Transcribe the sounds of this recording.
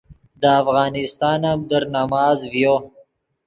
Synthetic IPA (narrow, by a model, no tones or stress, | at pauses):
d̪əːfɣɑːnɪst̪ɑːnamd̪əɾnamɑːzvjo